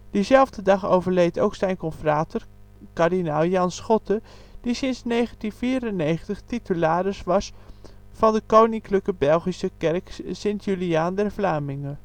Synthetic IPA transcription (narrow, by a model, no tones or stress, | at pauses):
d̥əzɛlˠvdədɑχowvəɹlejtowksɛjnkɔnfraːtəɹ | kaɹdinaːlˠjɑnsχɔtə | d̥isɪnsnejχəntinfiːɾənejχəntəχtitəlaːɾəsʋɑs | fɑndəkownɪŋkləkəbɛlˠχisəkɛrksɪntjyliaːndɛɹvlaːmɪŋən